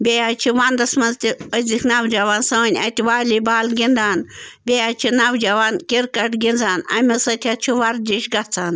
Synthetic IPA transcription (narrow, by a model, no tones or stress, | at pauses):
bʲejat͡ʃʰiʋand̪ɐsmɐnzt̪ʲiəzʲiknɐwd͡ʒɐʋaːnsɐːnʲɐt̪ʲiʋaːlʲibaːlɡʲind̪aːnbʲejaːt͡ʃʰinɐwd͡ʒɐʋaːnkʲiɾkɐʈɡʲind͡zaːnɐ̰mʲisɐt̪ʰʲat͡ʃʰiʋɐɾd͡ʒiʃɡɐt͡sʰaːn